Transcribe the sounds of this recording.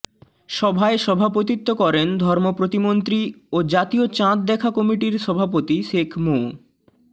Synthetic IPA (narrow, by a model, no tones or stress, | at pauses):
ʃɔbʱaeʃɔbʱapot̪it̪ːokɔɾend̪ʱɔɾmopɾot̪imont̪ɾiod͡ʑat̪iot͡ɕãt̪̚d̪ɛkʰakɔmiʈiɾʃɔbʱapot̪iʃekʰmo